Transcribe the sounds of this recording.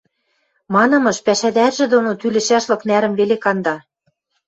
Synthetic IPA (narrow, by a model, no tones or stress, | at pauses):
mɑnɤ̆mɤ̆ʃpæʃæd̪ærʒĕd̪onot̪ylɘ̆ʃæʃlɤ̆knæɾɘ̆mβelekɑnd̪ɑ